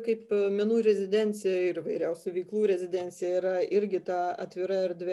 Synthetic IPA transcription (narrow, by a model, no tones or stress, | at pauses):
kɐɪpmʲɛnuːɾʲɛzʲɪd̪ʲɛnʲt̪sʲɪjɛɪɾɪʋɐɪɾʲɛʊsʲʊʋʲɛɪklˠuːɾʲɛzʲɪdʲɛnʲt̪sʲɪjɛiɾɐɪɾʲɡʲɪt̪ɑːɐ̰t̪ʲʋʲɪɾɐɛɾʲd̪ʲʋʲɛ